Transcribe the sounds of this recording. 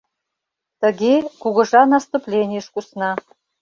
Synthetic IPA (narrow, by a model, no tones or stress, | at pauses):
t̪ə̆ɡʲekuɣɤ̆ʐɑnɑst̪uplʲenʲɪjəʃkusnɑ